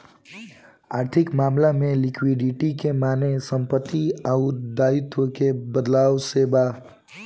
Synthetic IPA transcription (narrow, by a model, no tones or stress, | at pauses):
aːɾt̪ʰɪkmaːmlamẽlɪkʰwiɖɪʈikemaːnesə̃mpət̪ːiaʊd̪aːɪt̪wəkebəd̪laːwseːba